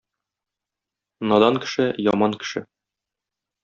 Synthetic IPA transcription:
nɒd̪ɑŋkɘ̥̆ʃɘjɒmɑŋkɘ̥̆ʃɘ

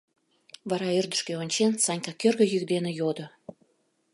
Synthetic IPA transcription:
βɑɾɑørd̪əʃkeonʲt͡ɕensɑnʲkɑkørɣə̆jykd̪enĕjod̪o

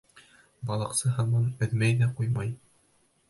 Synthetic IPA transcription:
bɒlˠɤ̆qsɤɦɑnˠmɑnɵ̆ðmæjðæqujmɑj

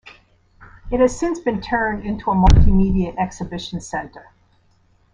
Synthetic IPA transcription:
ɨt̚hɨz̥sɪ̃nsb̥ɨ̃ntʰɜ̃˞ndɪ̃ntʰuəmʌlˠtimiɾiɨʔɛksɨbɪʃn̩sɛ̃ntə˞

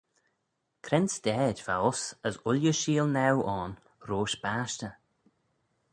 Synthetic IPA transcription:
kʰɾɛnsd̪̥ɛːdva̰ʊsəsʊljəʃiːlnɛwʔɔn | ɾoːʃb̥aːʃtə

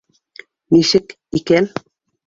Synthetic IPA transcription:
niʃɘ̆k | ikæn

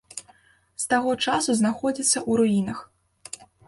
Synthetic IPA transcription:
st̪aɣɔt͡ʂasuznaxɔd͡zʲit̪sːɐʔuɾuinɐx

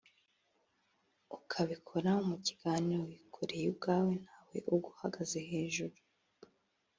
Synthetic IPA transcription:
ukʰaβikʰoɾaumuci̥ɡ̥aːniɾowikʰoɾejub̚ɡaːwe̞n̥haːwe̞̰ʔuɡuhaɡazeɦe̞ːʒuɾu

